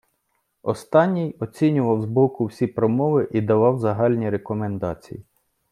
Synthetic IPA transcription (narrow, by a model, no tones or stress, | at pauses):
ɔst̪ɑnʲːijɔt͡sʲinʲʊʋɐwzbɔkʊwsʲipɾɔmɔʋɪʔid̪ɐʋɑwzɐɦɑlʲnʲiɾekɔme̞nd̪ɑ̰t͡sʲḭji